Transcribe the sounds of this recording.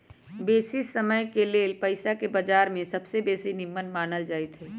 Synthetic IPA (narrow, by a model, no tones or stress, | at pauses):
beːsisɐməjkeleːlpɐɪsakebad͡ʒaːɾmẽsɐbsebeːsinɪmːənmaːnəld͡ʒaːit̪ʰɦeː